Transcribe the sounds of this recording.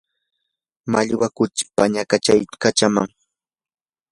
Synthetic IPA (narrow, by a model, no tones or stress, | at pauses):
maʎwakʊt͡ʃɪ̥paɲakat͡ʃajkat͡ʃama̰ŋ